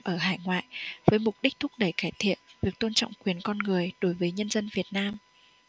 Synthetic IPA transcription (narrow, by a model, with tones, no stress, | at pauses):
ʔəː˧˩ɦaː˧˩jŋwa̰ː˧˨jvəː˨˦jmʊ˨˩k͡p̚ɗi˦˥k̚t̪ʰʊ˦˥k͡p̚ɗə˧˩jkaː˧˩jt̪ʰḭ˧˨ənvi˨˩ək̚t̪o˧nt͡ɕɔ̰˧˨ŋ͡mkwi˨˩ənkɔ˧nŋɨ˨˩əjɗo˨˦jvəː˨˦jɲə˧nzə˧nvi˨˩ət̚naː˧m